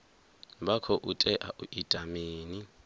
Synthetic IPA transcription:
bakʰɔʔutʼɛʔa̰ʔuʔitʼamiːni

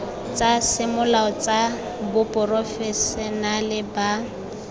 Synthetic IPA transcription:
t͡sʼasɪmʊlaɔt͡sʼa | bʊpʼʊrɔfɛsɛnalɪba

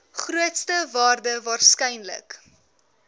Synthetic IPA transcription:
χruətstəvɑːrdəvɑːrskɛjnlə̰k

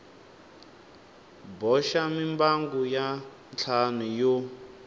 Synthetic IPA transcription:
bɔʃamimbaŋɡuja | nt͡ɬʰanujo

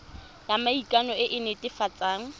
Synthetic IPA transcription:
jamaikʼanɔɪʔɪnɪtʼɪfat͡sʼaːŋ̩

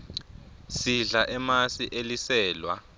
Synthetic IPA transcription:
siɮaʔɛmasiʔelisɛːlwa̰

